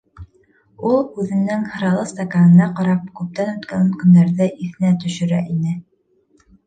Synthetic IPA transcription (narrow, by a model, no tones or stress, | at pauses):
ulˠʉðɘ̆nɘŋhɤ̆ɾɑlˠɤst̪ɐkanɤ̆nɑqɑɾɑp̚kʉp̚t̪ænʉt̪kænkɵ̆nd̪æɾðɘʔiθɘ̆næt̪ɵ̆ʃɘ̆ɾæ̰ʔinɘ